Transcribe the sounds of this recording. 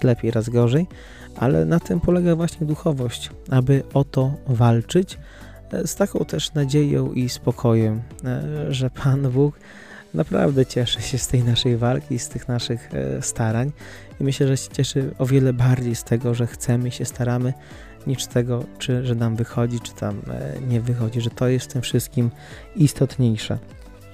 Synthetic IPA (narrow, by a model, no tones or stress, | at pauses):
lɛpʲjejɾazɡɔʐɛj | ʔa̰lɛ̰nat̪ɘmpɔlɛɡavwaɕɲɛd̪uxɔvɔɕt͡ɕ | abɘɔt̪ɔvalt͡ʂɘt͡ɕ | st̪akɔ̃w̃t̪ɛʂnad͡ʑejɔ̰̃w̃ʔispɔkʰɔjɛm | ʐɛpʰanbuk | napɾa̰vd̪ɛt͡ɕɛʂɘɕɛst̪ɛjnaʂɛjvalkʲist̪ɘxnaʂɘxst̪aɾaɲ | imɘɕlɛʐɛɕɛ̥t͡ɕɛʂɘɔvʲjɛlɛbaɾd͡ʑejst̪ɛɡɔʐɛxt̪sɛmɘiɕɛst̪aɾamɘ | ɲit͡ʂt̪ɛɡɔt͡ʂɘʐɛnamvɘxɔd͡ʑit͡ʂɘ̥t̪ʰamɲɛvɘxɔd͡ʑiʐɛt̪ɔjɛst̪t̪ɘmfʂɘst̪̚kʲim | ist̪ɔt̪ɲejʂɛ̰